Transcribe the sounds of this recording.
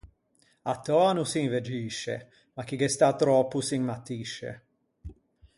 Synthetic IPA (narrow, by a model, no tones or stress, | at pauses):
at̪ʰːɔanusiŋvɛd͡ʒiːʃɛ̰ | makiɡɛst̪at̪ɾɔːpusiŋmat̪iːʃɛ̰